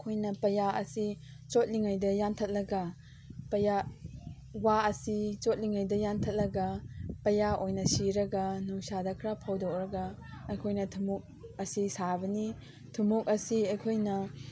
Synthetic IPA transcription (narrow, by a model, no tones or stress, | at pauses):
kʰojnɐpɐjaɐ̰si | t͡ʃot̚liŋajdɐjantʰɐt̚lɐɡɐ | pɐja | waɐsit͡ʃot̚liŋajdɐjantʰɐt̚lɐɡɐpɐjaʔojnɐsiɾɐɡɐnuŋsadɐkʰɾapʰawdɔk̚ɾɐɡɐ | ɐjkʰojnɐtʰumuk̚ɐsisabɐni | tʰumuk̚ɐsiɐjkʰojnɐ